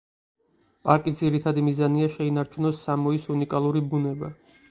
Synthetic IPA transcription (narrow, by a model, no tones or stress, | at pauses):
pʼaɾkʼid̪ziɾit̪ʰad̪imizaniaʃɛinaɾt͡ʃʰunɔsːamɔisunikʼalˠuɾibunɛba